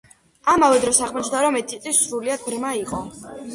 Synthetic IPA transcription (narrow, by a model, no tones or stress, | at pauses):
amavɛd̪ɾɔsaʁmɔt͡ʃʰd̪aɾɔmɛt̪ʰisʼisɾuliad̪̥̚bɾmaiqʼɔ